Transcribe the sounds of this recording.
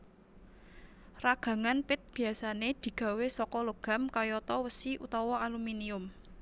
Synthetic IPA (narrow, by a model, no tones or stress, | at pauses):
raɡ̥ä̤ŋanpɪt̪̚b̥i̤asaned̪̥i̤ɡ̥a̤wesɔkɔloɡ̥a̤mkajɔt̪ɔwəsiʔṵt̪ɔwɔaluminiʊm